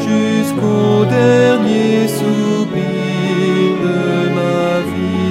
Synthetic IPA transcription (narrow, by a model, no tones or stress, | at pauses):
ʒyskod̪ɛʁnjesu | bi | d̪ə | ma | vi